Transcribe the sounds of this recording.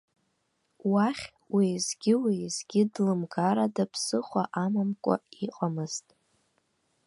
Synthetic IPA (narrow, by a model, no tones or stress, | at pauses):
waχʲ | wijzɡʲɪwizɡʲɪdlɨmɡaɾadapʰsɨχʷa̰ʔamamkʷʼa̰iqʼamɨz̥tʼ